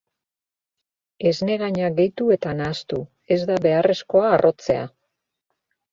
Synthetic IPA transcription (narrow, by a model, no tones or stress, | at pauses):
e̞zne̞ɣaɲaɡe̞jt̪ue̞t̪anaːst̪u | e̞zd̪aβe̞are̞sko̞aːro̞t͡se̞a̰